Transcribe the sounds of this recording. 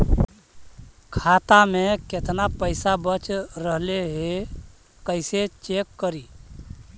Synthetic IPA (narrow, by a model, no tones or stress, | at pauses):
kʰat̪amẽket̪napəɪsabət͡ʃɾəɦleɦe | kəɪset͡ʃekːəɾiː